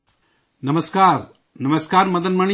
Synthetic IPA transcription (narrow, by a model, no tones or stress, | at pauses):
nɐmɐskaːɾ | nɐmɐskaːɾmɐd̪ɐnmɐɳi